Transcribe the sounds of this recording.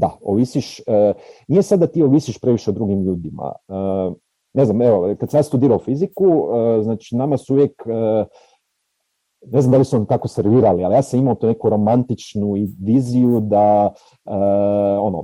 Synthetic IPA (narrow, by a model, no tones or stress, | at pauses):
d̪aoʋisiʃənijesad̪ːat̪ioʋisiʃpɾeʋiʃeod̪ɾuɡimʎuːd̪ima̰ə | ne̞znameʋokad̪samjaːst̪ud̪iːɾaufizikuəznaːt͡ʃinamasuuʋjekə | ne̞zamd̪alisunont̪ako̞seɾʋiːɾalialijaːsamimaot̪uːnekuɾo̞mant̪it͡ʃnuiʋizijud̪a | əo̞no̰